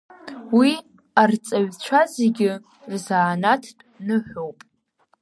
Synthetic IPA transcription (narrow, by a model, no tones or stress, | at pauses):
wi | art͡sʼaɥt͡ɕʷʰazeɡʲɪ | rzaːnatʰtʼnɨħʷᶣowpʼ